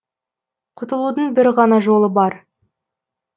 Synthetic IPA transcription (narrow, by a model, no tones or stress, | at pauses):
qʰʊt̪əlˠud̪əɴbɪɾʁɑnɑʒo̞lˠəbɑɾ